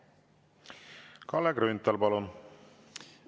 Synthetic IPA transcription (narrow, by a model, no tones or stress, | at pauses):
kɑlːeɡɾynt̪ːˑɑlpɑlun